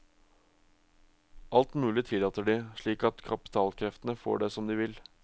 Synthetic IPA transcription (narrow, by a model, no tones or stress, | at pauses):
ʔɑlt̪mʉːlɪt̪ʰɪlɑːt̪əɖiːʂɭiːkɑt̪kʰɑpɪ̥t̪ʰɑːlkʰɾɛft̪ənəfo̰ːɖesɔmd̪iːʋɪl